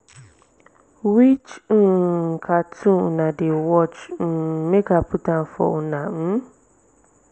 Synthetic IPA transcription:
wit͡ʃ̩ː | kʰatʰũnãdewɔt͡ʃ̩ːmẽkaputãnfɔ̰unãm̩

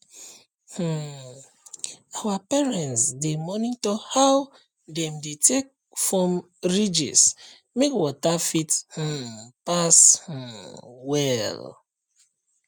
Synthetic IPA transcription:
h̩ | awapɛɹɛ̃ntsdemɔnitɔhaw | dɛ̃mdetek̚ | fɹɔ̃m | ɹid͡ʒḭs | mekwɔtafith̩pash̩wɛl

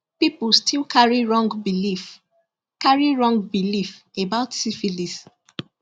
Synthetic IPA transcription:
pipulstʰilkʰaɹiɹɔ̃ŋɡbilif | kaɹiɹɔ̃ŋɡ̚bilif | ebaʊtsifilis

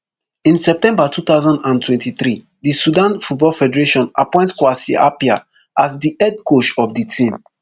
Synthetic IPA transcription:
ĩnsɛp̚tɛ̃mbatʰut̪aʊzãndãntʰwɛ̃ntiθɾi | disudãnfut̚bɔlfɛdɛɹeʃɔ̃na̰pɔ̃ɪ̃ntkwasḭapia̰ | asdiʔɛd̚kot͡ʃɔfditʰĩm

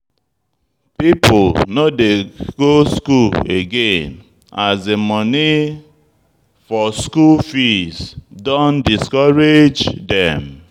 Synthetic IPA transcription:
pipʊlnodeɡ̥oskuleɡẽn | azemɔni | fɔskulfisdõndiskɔɾed͡ʒdɛ̃m

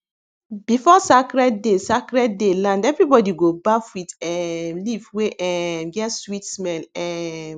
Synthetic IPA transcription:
bifɔsakɾɛddesakɹɛddelãndɛvɹibɔdiɡobafwitɛmlivweʔɛmɡɛtswitsmɛ̃nɛ

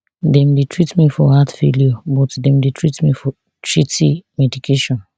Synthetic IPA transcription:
dɛ̃mdetʰɹitmifɔhatfeljobɔtdɛ̃mdetʰɹitmifɔ | tʰɹitʰḭmɛdikʰeʃɔ̃n

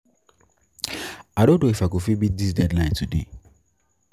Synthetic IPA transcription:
adõdoefɛkofibidisdɛdlãɪ̃ntʰudḛ

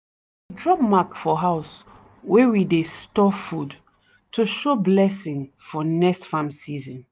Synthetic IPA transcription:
widɹɔmakfɔɦaʊs | wewidestɔfud | tʰuʃoblɛsĩŋ | fɔnɛkstfãmsizɔ̃n

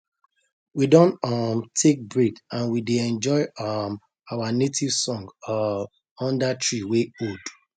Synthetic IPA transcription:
widɔ̃ntɔmtʰek̚bɹikãnwideɛ̃nd͡ʒɔɪɔm | awanetʰiv̥sɔ̃ŋɡɔ | ɔ̃ndatʰɹiweod

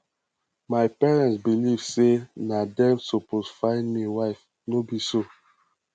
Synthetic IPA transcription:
majpɛɹɛ̃ntsbilivsenadɛ̃msoposfãɪnmiwaɪf | nobiso

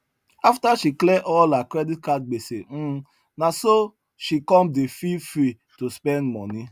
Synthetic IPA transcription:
aftaʃiklɛʔɔlakɾɛdit̚kat̚ɡ͡besen̩ | naso | ʃikɔ̃mdefifɾi | tuspɛ̃ndmɔni

